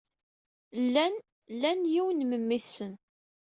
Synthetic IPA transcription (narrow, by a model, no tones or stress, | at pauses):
lːæn | lːænjiwənməmːiθsən